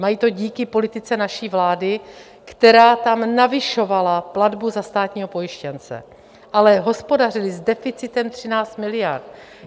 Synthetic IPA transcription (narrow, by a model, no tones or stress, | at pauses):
majiːt̪o̞ɟiːkɪpo̞lɪt̪ɪt͡sɛnaʃiːvlaːdɪ | kt̪ɛɾaːt̪amnavɪʃo̞valapladbuzast̪aːt̪ɲiːɦo̞po̞jɪʃcɛnt͡sɛ̰ | ʔalɛɦo̞spo̞dar̝ɪlɪzdɛfɪt͡sɪt̪ɛmt̪r̝̥ɪnaːt͡st̪mɪlɪjaɾt̪̚